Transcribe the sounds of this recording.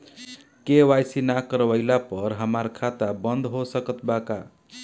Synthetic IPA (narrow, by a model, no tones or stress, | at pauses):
kewajsinakəɾwəjlapʌɾɦəmaɾkʰat̪abənd̪ɦosəkət̪baka